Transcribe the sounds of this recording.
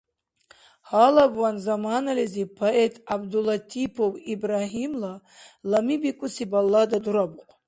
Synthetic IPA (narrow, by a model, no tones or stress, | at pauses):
halabwanzamanalezipʰaet̪ʰʼabd̪ulat̪ʰipʰowibɾaɦimla | lamibikʷʼusibalːad̪ad̪uɾabuqʷʼ